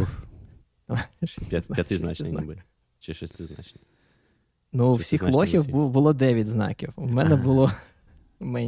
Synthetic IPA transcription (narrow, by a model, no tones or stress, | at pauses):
ʃstɪzjɐt̪ɪznɑn | t͡ʃɪʃɛsʲt̪ɪznɑ̰t͡ʃnɪ | nuːwsʲixlˠɔxʲiwbbʊlˠɔd̪ɛʋʲjɐtʲznɑ̰kʲiwumɛnɛbʊlˠɔ | mɛnʲ